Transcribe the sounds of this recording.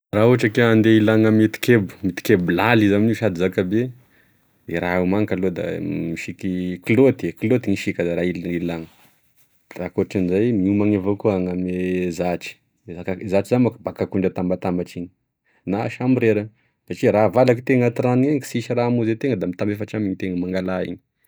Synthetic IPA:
rauaʈ͡ʂakeand̪eilaŋamit̪i̥kebu̥mit̪i̥kebulalizaminuʃad̪izakabe | eɾaumaŋkalod̪a̰miʃikikilot̪ieklot̪iŋiʃikʲəd̪aɾailnilaŋə | rakoʈ͡ʂanizajmiumaŋevokuaŋamezaʈ͡ʂi̥ | zakazaʈ͡ʂizamakəbakakuɳɖ͡ʐət̪ambat̪ambaʈ͡ʂiɲi | naʃamiɾeɾə | saʈ͡ʂiɾavalaki̥t̪eŋat̪iɾanieŋki̥siʃiramuzet̪eŋəd̪amit̪ambefaʈ͡ʂamiɲit̪eŋəmaŋɡalaḭɲi̥

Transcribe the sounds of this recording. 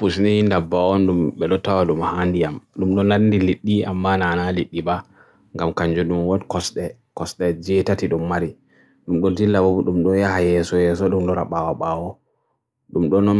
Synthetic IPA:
pusnihindabaɔnɗumɓɛɗɔtawaɗumhandijamɗumɗɔnandiliɗːiamːananaliɗːiba | ŋɡamkaɲd͡ʒuɗumwɔdkɔsɗɛ | kɔsɗɛd͡ʒɛtatiɗumːaɾi | ɗumɗɔdilːabubuɗumɗɔjahajɛsɔjɛsɔɗumɗɔɾaɓawaɓawɔ | ɗumɗɔnɔ

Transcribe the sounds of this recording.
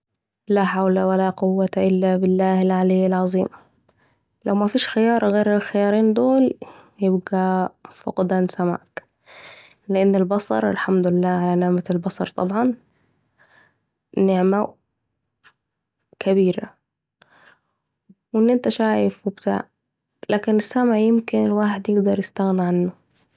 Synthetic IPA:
laħawlawalaqʊwːat̪aʔɪlːabɪlːaːhalʕaliːɪlʕɑzˤiːm | lʔawmafiːʃxɪjɑːɾˤɑɣeːɾɪlxɪjɑːɾiːnd̪oːljɪbɡafʊqd̪ansama̰ːk | lɪʔanːɪlbɑsˤɑ̰ɾˤɪ̰lħamd̪ʊlɪlːaːʕalanɪʕmalbɑsˤɑɾˤt̪ˤɑbʕɑn | ɪʕma | kʰabiːɾa̰ | wɪnːʔɪnt̪aʃaːjɪfwɪbt̪a̰ːʕ | lʔaːkɪnɪsːamʕjɪmkɪnɪlwaːħɪd̪jɪɡd̪ɑɾˤjɪst̪aɣniʕanːʊ

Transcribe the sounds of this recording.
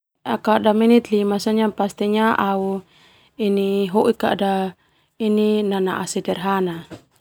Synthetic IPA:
akaʔdaminit̪limasaɲapast̪ɛɲaʔau | iniɦoʔikaʔda | ininana̰ʔasɛdɛrɦana

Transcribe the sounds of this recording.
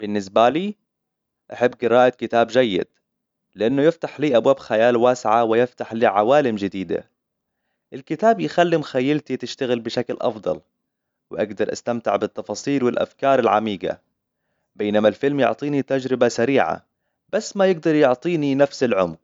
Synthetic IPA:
b̥ɪnːɪs̬baliː | ʔaħɪbːɡɪɾaːʔakɪt̪aːbd͡ʒajːɪ̰d̪̥̚ | lɪʔanːʊjɪft̪aħliːʔabwaːbxajaːlwaːsɪʕawɪjɪft̪aħliːʕawaːlɪmd͡ʒɪd̪iːd̪a̰ | ʔɪlkɪt̪aːbjxalːimxajːalt̪it̪ɪʃt̪aɣɪlbɪʃaklʔɑ̰fd̪ˤɑ̰l | wɪʔaɡd̪ɑɾˤʔa̰st̪amt̪ɪʕbɪt̪ːɑfɑːsˤiːlwɪlʔa̰fkɑːɾˤɪlʕa̰miːɡa̰ | beːnamalfɪlmjʊ̰ʕt̪ˤiːnit̪ad͡ʒɾɪbasaɾiːʕa̰ | b̥asːmajɪɡ̚d̪ɑɾˤjʊʕt̪ˤiːninafsɪlʕʊmq

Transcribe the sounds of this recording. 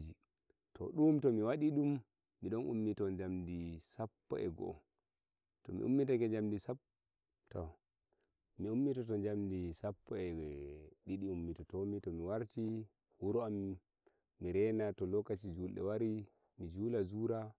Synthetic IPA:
d͡ʒi | tɔ̰ɗumtɔmiwaɗiɗumː | iɗɔnʔṵmːitɔɲd͡ʒamdisapːɔ̰ɛ̰ɡɔ̰ | tɔmḭʔṵmːitakɛɲd͡ʒamdisap | tɔ | miumːitɔtɔnd͡ʒamdisapːɔɛ | ɗiɗiumːitɔtɔmitɔmiwaɾt͡ʃi | wuɾɔamː | iɾɛnatɔlɔkːat͡ʃid͡ʒulɗɛ̰waɾi | mid͡ʒulazuɾa

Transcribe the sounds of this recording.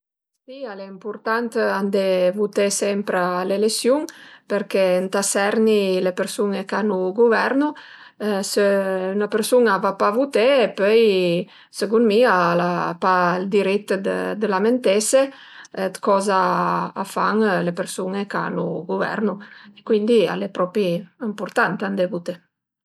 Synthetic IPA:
sialeimpuɾt̪ant̪and̪evut̪esɛmpɾalelesjuŋpeɾkent̪asɛɾnilepeɾsuŋekanuɡuvɛɾnu | səynapeɾsuŋavapavut̪eepøj | səɡunmialapald̪iɾit̪ːd̪ə̰d̪əlament̪ese | d̪kɔzaːfaŋlepeɾsuŋeka̰nuɡuvɛ̰ɾnuekwind̪ia̰lepɾɔpiimpuɾt̪ant̪and̪evut̪e

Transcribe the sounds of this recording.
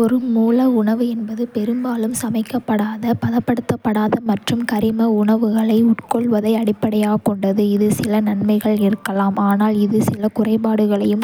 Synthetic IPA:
ɔɾɯmuːlɐʊɳɐʋɯɛnbɐðɯpɛɾɯmbaːlɯmsɐmɐɪkːɐpːɐɽaːðɐpɐðɐpːɐɽɯt̪ːɐpːɐɽaːðɐmɐʈrɯmkɐɾɪmɐʊɳɐʋɯɣɐɭɐɪʊʈkɔɭʋɐðɐɪɐɽɪpːɐɽɐjaːkɔɳɖɐðɯɪðɯsɪlɐnɐnmɐɪɣɐɭɪɾɯkːɐlaːmaːnaːlɪðɯsɪlɐkʊrɐɪpaːɽɯɣɐɭɐjɯm

